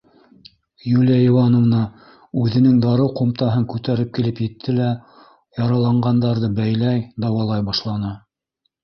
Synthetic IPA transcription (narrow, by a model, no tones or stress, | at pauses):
julʲjæiwɑnŏvnɑ | ʉðɘ̆nɘŋd̪ɑɾɤwqŏmt̪ɑɦɤŋkʉt̪æɾɘp̚kilɘpjɘ̆t̪ʰːɘlæ | jɑɾɑlˠɑɴɢɑnd̪ɑɾðɤbæjlæjd̪ɑwɑlˠɑjbɑʃlˠɑnɤ